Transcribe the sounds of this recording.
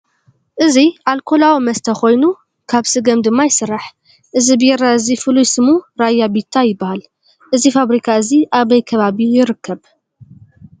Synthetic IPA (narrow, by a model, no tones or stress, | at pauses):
ʔɨziʔalkʰo̞lawimɐst̪ʰɐxo̞jnu | kʰaβsɨɡɐmd̪ɨmːajɪsɨɾːaħ | ʔɨzibɨjɛɾaɨzifɨlujsɨmuɾajːabit̪ʰːajɪbːahal | ʔɨzifaβɾikʰaɨziʔaβɐjkʰɐβaβijɪɾɨkʰːɐβ